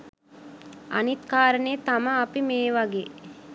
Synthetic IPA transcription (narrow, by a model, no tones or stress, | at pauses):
a̰nit̪kaːɾəneet̪aməːpimeːʋaɡeː